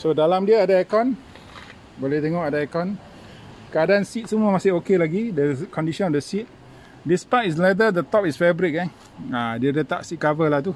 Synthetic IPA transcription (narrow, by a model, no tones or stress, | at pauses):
sodalamdiəadaɛkɔn | bolɛht̪eŋɔʔadaɛkan | kəadansit̪̚səmuəmasɪhokelaɡidəkɔndisɔ̃nɔfdəsit̪̚ | dispajtis̬lɛd̪ədət̪ɔp̚isfɛbɾik̚an | adiədət̪a̰ʔsit̪̚kavəlaht̪u